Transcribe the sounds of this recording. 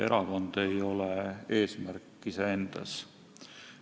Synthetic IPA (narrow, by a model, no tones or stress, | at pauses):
e̞ɾɑko̞nd̪̥e̞jo̞lee̞ːsmærkːiseend̪̥ɑ̰s